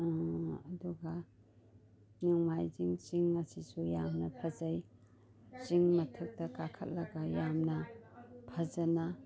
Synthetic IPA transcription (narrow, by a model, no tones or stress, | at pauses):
ɐduɡɐ | nuŋmajziŋt͡ʃiŋɐsisujamnɐpʰɐzɐj | t͡ʃiŋmɐtʰɐk̚tɐkakʰɐt̚lɐɡɐjamnɐpʰɐzɐnɐ